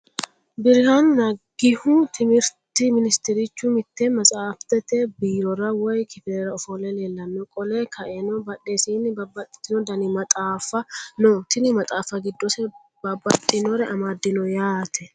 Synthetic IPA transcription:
bɪɾɾɐnːɐɡɪhʊt̪ʰɪmɪɾt̪ɪmɪnɪst̪ɛɾɪt͡ʃːʊmɪt̪ːɛmɐsʼaːft̪ɛt̪ɛbiːɾɔɾɐwɔjkɪt̪ɛɾɐɔfɔlɛle̞ːlːɐnːɔkʼɔlɛkʰɐʔɛnɔbɐɗeːsiːnːɪbɐbɐt̪ʼːɪ̥t̪ːɪnɔd̪ɐnɪmɐt̪ʼaːfːɐnɔt̪ɪnɪmɐt̪ʼaːfɐɡɪd̪ːɔsɛ | bɐbːɐt̪ʼːɪnɔɾɛʔɐmaːd̪ːɪnɔjaːt̪ʰɛ

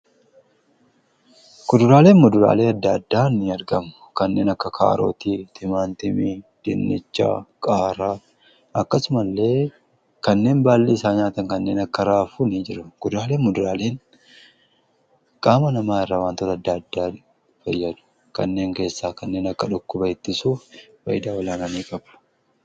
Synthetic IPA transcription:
ɡ̥ʊd̪ʊɾaːleːmmʊd̪ʊɾa̰ːle̞ːɐd̪ːɐːd̪ːaːnːɪɐɾɡɐmʊ̥kɐnːe̞ːnɐkːɐkʰa̰ːɾo̰ːt̪iːt̪ɪmaːnt̪ɪmid̪̥ɪnːɛt͡ʃːa̰ːkʼaːɾaː | ɐkːɐsʊmɐlːe̞ː | kɐnːe̞ːnbaːlːiːsaːɲaːt̪ɐŋkɐnːe̞ːnɐkːɐɾaːfuːniːd͡ʒɪɾɐɡ̥ʊd̪ɾaːleːmmʊd̪ʊɾaːleːn | kʼaːmɐnɐmaːɪrːaːwaːnt̪ɔt̪ɐd̪ːɐːd̪ːaː | fɐjːɐd̪ʊ̥ | kɐnːe̞ːŋke̞ːsːaːkɐnːe̞ːnɐkːɐᶑʊkːʊbɐɪt̪ːɪsuːffɐ̰jɪd̪aːwɐlaːnɐniːkʼɐbʊ̥

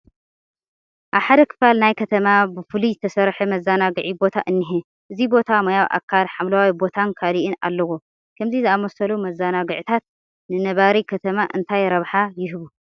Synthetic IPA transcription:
ʔaβħad̪ɐkʰɨ̥falnajkʰɐt̪ʰɐmabɨfɨlizɨt̪ʰɐsɐɾħemɐzanaɡɨʕibo̞t̪ʰaʔɨnːɨɦe | ʔɨzibo̞t̪ʰamɐjawʔa̰kʰːalħamlawawibo̞t̪ʰankʰaliʔɨna̰lːɐwo | kʰɐmzizɨamosɐlumɐzːanaɡɨʕt̪ʰat̪̚ | nɨnɐβaɾikʰɐt̪ʰɐmaʔɨnt̪ʰajɾɐβħajɪɦɨβu

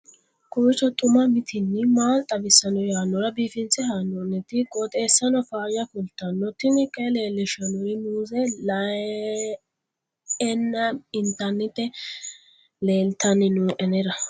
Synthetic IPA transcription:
kʊɪt͡ʃːɔt̪ʼʊmɐmɪt̪ʰɪnːɪmaːlt̪ʼɐbɪsːɐnɔjaːnːɔɾɐbiːfɪnt͡sɛɦanːɔnːɛt̪ɪkʼɔt̪ʼe̞ːsːɐnɔfaːjɐfʊlt̪ːɐnːɔt̪ːɪnɪkʼɛleːlːɪʃɐnɔɾɪnuːzɛlɐ | ɛnːɐɪnt̪ɐnːɪt̪ːɛ | le̞ːlt̪ɐnːɪnuːʔɛnɛɾɐ

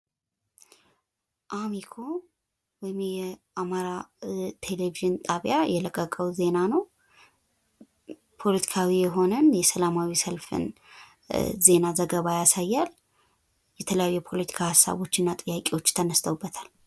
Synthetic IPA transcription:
ʔamikʰo̞ | bɔmjɛʔamaɾat̪ʰe̞leviʒɨnt̪ʼaβjajɛləkʼːəkʼəwze̞nanəw | pʰo̞lət̪ʰi̥kʰawijɛɦo̞nənjɛsəlamawisəlfɨ̰n | ze̞nazəɡəβajasajːal | jɛt̪ʰələjajjɛpʰo̞lət̪ʰi̥kʰahasːa̰βo̞t͡ʃːɨnːat̪ʼɨjːakʼiwo̞t͡ʃːt̪ʰənəst̪ʰəwubːət̪ʰal

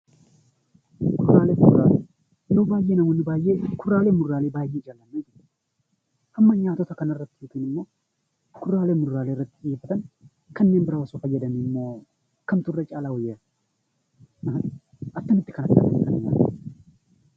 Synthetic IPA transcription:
kʊraːlɛmʊraːle | jowbaːjːeːnɐmɔnːɪbaːjːekʊrːaːlemʊrːaːlebaːjeːd͡ʒaːlːɐnːeːd͡ʒɪ | hɐmːɐɲaːt̪ɔt̪ɐkɐnɐrːɐt̪ːɪjut̪ɪːnɪmːo | kʊrːaːlemʊrːaːleɪrːɐt̪ːɪkiːfɐt̪ɐn | kɐnːe̞ːnbɪɾɐwɐsɔfɐjɛd̪ɐnɪmːo̞ː | kɐmt̪ʊrːɐt͡ʃʼaːlawɔjːe | ɐt̪ːɐnɪt̪ːɪ̥kɐnɐt̪ːɐ̰nɐnt̪ːɐnɪɲa̰ːt̪ɐ

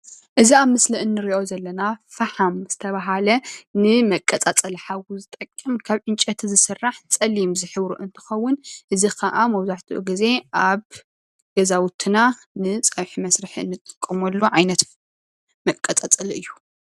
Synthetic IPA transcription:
ʔɨziaβmɨsliɨnːɨɾiʔo̞zɐlːɐnafɐħamz̥ɨt̪ʰɐβaɦalɐnɨmɐkʼːɐt͡sʼat͡sʼɐlħawuzɨt̪ʼɐkʼːɨmkʰaβʕɨnt͡ʃʼɐt̪ʰzɨsɨrːaħt͡sʼɐlimzɨħɨβɾuʔɨnt̪ʰɨ̥xɐwːʊnʔɨzikʰɐʔamɐwzaħt̪ʰuʔṵɡize̞ʔaβ | ɡ̥ɐzawʊt̪ʰɨna | nɨt͡sʼɐβħimɐsɾɨħiɨ̰nːɨt̪ʼɨ̥kʼːɨmɐlːoʕajnɐt̪ | mɐkʼːɐt͡sʼat͡sʼɐlɨjːu

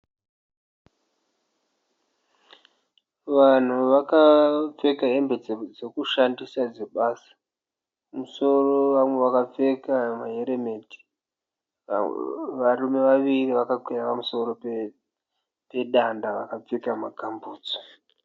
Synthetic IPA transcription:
ʋan̤uʋakap͡fe̞kaɦe̞mbed͡zed͡zekuʃandisad͡zeɓaːsḁ | muso̞roʋamwe̞ʋakap͡fe̞kamaɦeɾeme̞ti̥ | ʋarume̞ʋaʋiriʋakakwejapamuso̞ro̞ | pe̞ɗandaʋakap͡fekamaɡʱambuːd͡zo̥

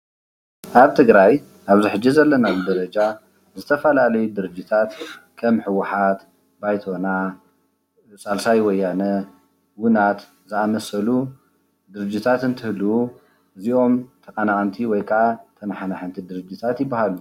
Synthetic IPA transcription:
ʔaβt̪ʰɨɡɾaj | ʔaβziħɨd͡ʒːizɐlːɐnad̪ɐɾɐd͡ʒa | zɨt̪ʰɐfɐlalɐjud̪ɨɾɨd͡ʒːit̪ʰat̪kʰɐmħɨwaħat̪ | bajt̪ʰo̞na | sʼalsajwɔjːanɐ | wʊnat̪ | zɨamɐsɐlu | d̪ɨɾɨd͡ʒːit̪ʰat̪ɨnt̪ʰɨhluu | ʔɨziʔo̞mt̪ʰɐkʼɐnakʼɐnt̪ʰiwɔjkʰʼɐʔat̪ʰɐnħanaħɨnt̪ʰid̪ɨɾɨd͡ʒːɪt̪ʰat̪jɪbːahalu

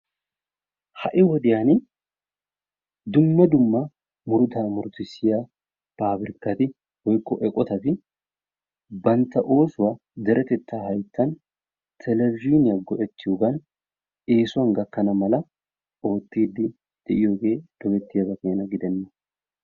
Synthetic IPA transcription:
hɐʔɪwɔd̪ɪjaːnɪ | d̪ʊmːɐd̪ʊmːɐ | mʊɾʊt̪aːmʊɾt̪ɪsɪjɐ | paːbɪɾɪkːɐt̪ɪ | wɔjkːɔʔɛkʼɔt̪ɐfɪ | bɐnt̪ːɐʔo̞ːsʊwɐ | d̪ɛɾʔɛt̪ɛt̪ːaːhɐjt̪ːɐn | t̪ʰɛlɛvɪiːnɪjɐɡɔʔɛt͡ʃ̪ːɪʊɡɐn | eːsʊɐŋɡɐkːɐnɐmɐlɐ | oːt̪ːiːd̪ːɪ | d̪̥ɛʔɪjokeːd̪̥ɔmɛt̪ːɪjɐbɐkʼeːnɐɡɪd̪ɛnːɐ

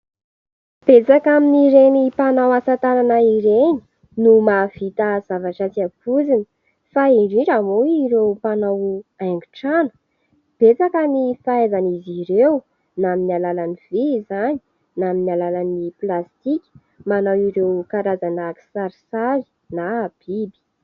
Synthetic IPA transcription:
b̥et͡sakaminiɾenipanawasat̪ananaiɾeɲi̥ | numav̥it̪az̥avaʈ͡ʂat͡siapuzinə̥ | faiɖ͡ʐiʈ͡ʂamoiɾewpanawaŋɡuʈ͡ʂanə̥ | b̥et͡sakanifaezaniziɾew | naminalalanivezaɲi̥ | naminalalaniplast̪ikʲi̥ | manawiɾewkaɾazanaki̥saɾisaɾi̥ | nab̥ibi̥

